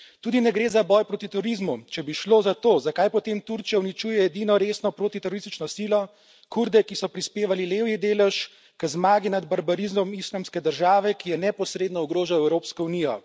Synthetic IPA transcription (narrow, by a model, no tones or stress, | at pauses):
t̪uːd̪inɛɡɾeːzabɔjpɾoːt̪it̪ɛɾoɾizmut͡ʃɛbiʃloːzat̪oːzakajpɔt̪emt̪uɾt͡ʃijawnit͡ʃuːjɛɛd̪inɔɾeːsnɔpɾoːt̪it̪ɛɾɔɾist̪it͡ʃnɔsilɔ | kuɾd̪ɛkisɔpɾispeːʋalileːwjid̪eːlɛʃ | kəzmaːɡinad̪baɾbaɾizmɔmislamskɛd̪əɾʒaːʋɛkijɛnɛpɔsɾeːd̪nɔɔɡɾoːʒawɛwɾoːpskɔuniːjɔ